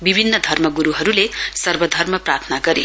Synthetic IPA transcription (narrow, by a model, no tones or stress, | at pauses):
bibʱinːʌd̪ʱʌrmʌɡuɾuɦʌɾulesʌrbʌd̪ʱʌrmʌprart̪ʰʌnaɡʌɾi